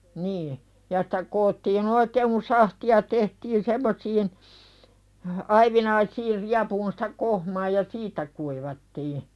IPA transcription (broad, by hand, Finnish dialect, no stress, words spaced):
niː jɑ sĭ̥tæ koːtːiːn oikeːŋ kun sɑhtiɑ tehtin semːosiːn ɑiʋinɑisiːr riɑpuːn sĭ̥tæ kohmɑː jɑ siːtˑæ kuiʋɑtːiː